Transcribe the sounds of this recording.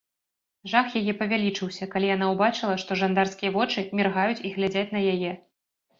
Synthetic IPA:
ʐaxjajɛpɐvʲalʲit͡ʂɨwsʲɐkalʲijan̪awbat͡ʂɨlˠɐʂt̪ɔʐand̪arskʲijɐvɔt͡ʂɨmʲirɣajut͡sʲiɣlʲad͡zʲat͡sʲnɐjajɛ

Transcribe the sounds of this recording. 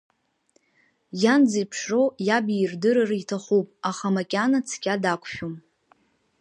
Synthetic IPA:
jand͡zajpʰʂrojabirdɨɾaraitʰaχupʼaχamakʲʼanat͡sʰkʲʼadakʷʰʼʃᶣom

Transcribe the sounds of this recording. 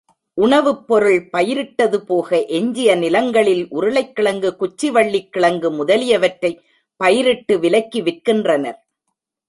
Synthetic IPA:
ʔʊɳɐʋɯpːɔɾɯɭpɐjɪɾɪʈːɐðɯpoːɣɐʔɛɲd͡ʒɪjɐnɪlɐŋɡɐɭɪlʔʊɾɯɭɐɪkːɪɭɐŋɡɯkʊt͡ʃːɪʋɐɭːɪkːɪɭɐŋɡɯmʊðɐlɪjɐʋɐʈrɐɪ | pːɐjɪɾɪʈːɯʋɪlɐɪkːiʋɪrkɪndrɐnɐɾ

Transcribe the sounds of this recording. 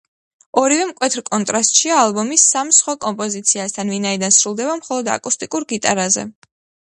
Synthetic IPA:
ɔɾivɛmkʼwɛt̪ʰɾkʼɔnt̪ʼɾast̪ʼʃiaːlˠbɔmisamsχwakʼɔmpʼɔzit̪sʰiast̪ʰanvinaid̪ansɾulˠd̪ɛβamχɔlˠɔd̪a̰kʼust̪ʼikʼuɾɡit̪ʼa̰ɾazɛ̰

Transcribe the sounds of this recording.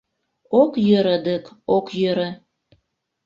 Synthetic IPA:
okjøɾəd̪əkokjøɾə̆

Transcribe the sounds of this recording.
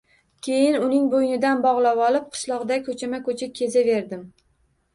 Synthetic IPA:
kʲʰe̞jɪnʊnɪŋbojnɪd̪anbɒʁlˠawɒlˠɪp̚qʰɨ̥ʃlˠɒʁd̪akʲʰɵt͡ʃʰamakʰɵt͡ʃʰɪkʲʰe̞zave̞ɾd̪ɪm

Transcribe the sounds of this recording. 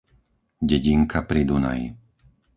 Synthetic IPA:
ɟɛɟiŋkʰapɾid̪una̰j

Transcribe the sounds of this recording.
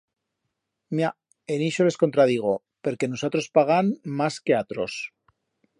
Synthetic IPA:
mja | eniʃole̞sko̞nt̪ɾað̞iɣ̞o̞ | pe̞ɾkenusot̪ɾo̞spaɣ̞anmaske̞at̪ɾo̞s

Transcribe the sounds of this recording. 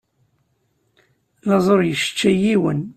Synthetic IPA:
lɑzˤoɾˤjəʃə̥t͡ʃːæjiwən

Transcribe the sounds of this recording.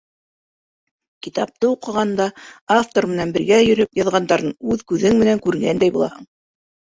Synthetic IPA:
kit̪ɑp̚t̪ɤuqɤ̆ʁɑnd̪ɑaft̪oɾmɘ̆nænbɘ̆ɾɡæjɵ̆ɾɵpjɑðʁɑnd̪ɑɾɤɴʉðkʉðɘŋmɘ̆næŋkʉɾɡænd̪æjbulˠɑ̰hɤ̰ɴ

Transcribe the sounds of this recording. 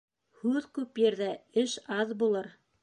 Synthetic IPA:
hʉðkʉpjɘ̆ɾðæɘʃɑðbulˠɤɾ

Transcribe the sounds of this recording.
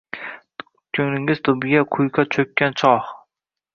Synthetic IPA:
kʲʰɵŋnɪŋɪz̥t̪ʰʊbɪɡʲaqʰʊjkʰɑt͡ʃʰɵkʲːant͡ʃʰɒh

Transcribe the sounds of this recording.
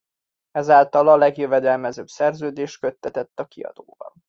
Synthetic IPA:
ɛzaːlt̪ɒlɒlɛɡjøvɛd̪ɛlmɛzøbsɛrzøːd̪eːʃtkø̞t̪ːɛt̪ɛt̪ːɒkiɒ̰d̪̥o̰ːbɒ̰n

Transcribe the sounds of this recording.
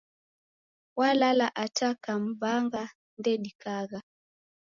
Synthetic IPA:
walalaʔatakam̩baŋɡa | ndɛɗikaɣa

